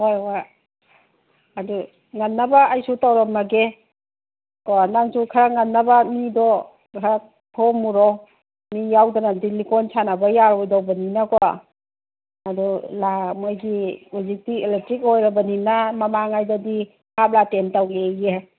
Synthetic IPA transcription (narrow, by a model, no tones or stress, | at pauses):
hojwa | du | ŋanːabaajsutawɾɔmaɡe | kɔnaŋsukʰaɾaŋanːabamidɔ | kʰaɾak̚ | tʰɔmuɾɔw | mijawdanadilikɔnsanabajaɾɔjdawbaninakɔ | adulamojɡiuzik̚tieletɾikojɾabaninamamaŋajdadi | pʰap̚latentaweje